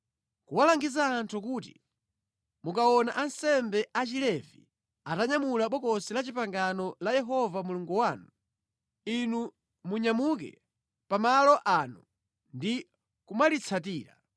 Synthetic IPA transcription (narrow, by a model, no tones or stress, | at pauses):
kuwalaŋɡizaːntʰukuːtḭ | mukaɔnaʔansɛmbɛʔat͡ʃilɛvḭ | ataɲamulaɓɔkɔsilat͡ʃipaŋɡanɔlajɛɦɔvamuluŋɡuwaːnu | inu | muɲamuk̬ɛ̰ | pamalɔʔaːnu | ndi | kumalit͡sʰat̬iːɾa̰